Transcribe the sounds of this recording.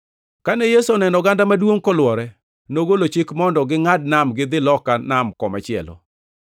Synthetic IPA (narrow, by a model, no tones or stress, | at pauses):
kanɛjesuɔnɛnɔɡandamadwoŋkɔlwɔɾɛ | noɡolot͡ʃɪkmɔndɔɡɪŋadnamɡɪd̪ɪlɔkanamkɔma̰t͡ʃɪɛ̰lɔ̰